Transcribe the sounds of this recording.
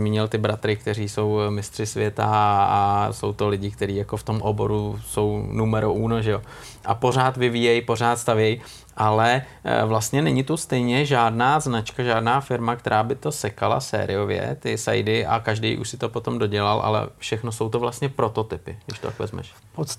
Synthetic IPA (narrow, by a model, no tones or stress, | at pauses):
zmiːɲɪlt̪ɪbɾat̪ɾɪk̚t̪ɛɾiːso̞wmɪst̪r̥ɪsvjɛt̪aaso̞̰wt̪o̞lɪɟɪk̚t̪ɛɾiːjako̞ft̪o̞mʔobo̞̰ɾuso̞wnumɛɾoʔuːnoʒɛjo | ʔapo̞r̝aːt̪vɪviːjɛjpo̞r̝aːt̪st̪avjɛj | ʔalɛ | vlast̪ɲɛnɛɲɪt̪ust̪ɛjɲɛʒaːdnaːznat͡ʃkaʒaːdnaːfɪɾmak̚t̪ɛɾʔaːbɪt̪o̞sɛkala̰sɛ̰ːɾɪ̰jo̞vjɛ̰t̪ɪsa̰jdɪʔa̰kaʒdɛ̰jʔṵʃsɪt̪o̞po̞t̪o̞mdo̞ɟɛlalʔa̰lɛ̰fʃɛxnoso̞wt̪ovlast̪ɲɛpɾo̞t̪o̞t̪ɪpɪɡdɪʃt̪ot̪akvɛ̰zmɛ̰ʃ